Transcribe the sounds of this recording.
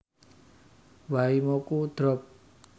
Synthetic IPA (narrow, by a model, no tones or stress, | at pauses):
waimɔkud̪̥ɾɔp̚